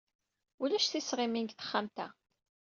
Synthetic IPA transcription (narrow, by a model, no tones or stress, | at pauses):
ulæʃθisʁɪminɡθə̥χːamt̪æ̰